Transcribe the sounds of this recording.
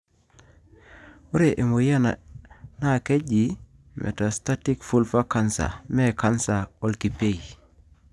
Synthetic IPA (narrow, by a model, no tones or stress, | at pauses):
uɾeʔemojana̰nakeɟi | mʔḛtastatikfulfakansa̰mekansaolkipej